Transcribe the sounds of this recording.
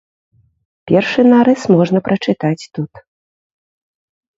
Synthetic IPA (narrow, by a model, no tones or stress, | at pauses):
pʲɛrʂɨnaɾɛsmɔʐnɐpɾʔɐt͡ʂɨt̪at͡sʲt̪ut̪